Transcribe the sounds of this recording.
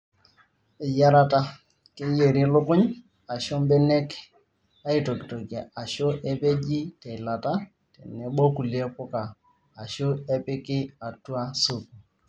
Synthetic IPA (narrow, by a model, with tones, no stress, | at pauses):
ɪ˨ja˦ɾa˦ta˦ | kɪ˦je˨ɾɪ˦lʊ˦kʊ˦ɲ | a˨ʃɔ˦mbɛ˦nɛ˦k | a˦i˨to˨ki˨to˨ki˨a˨a˨ʃʊ˦ʔɛ˦pe˦d͡ʒi˦tɛ˨i˨la˨ta˦ | tɛ̰˨nɛ˨ɓɔ˦ku˨le˦pʊ˦kaː˨ | ʃo˦ɛ˦pɪ˦kɪ˦a˨tu˦a˦su˦˨ku˨